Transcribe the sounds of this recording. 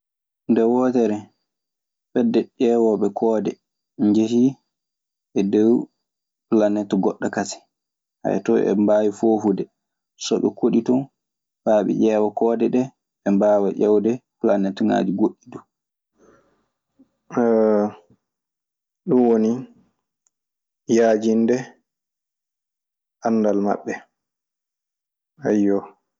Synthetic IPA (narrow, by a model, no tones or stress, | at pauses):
ndɛwɔtɛɾɛ | fɛdːɛʄɛːwɔɓɛkʰɔːdɛ | ɲd͡ʒehi | ʔɛdɛw | hulanːɛtɔɡɔɗːakasi̥ | ha̰jtɔɛ̰mbaːwifoːfudɛ | sɔɓɛ̰koɗitɔn | baːɓɛ̰ʔɛwɔkɔːdɛɗɛ | ɛmbaːwaʔɛwdɛkulanːɛtɔŋa̰ːd͡ʒiɡoɗːidu | ɗunwoni | jaːd͡ʒindɛ | ʔanːdalma̰ɓːɛ | ajːɔ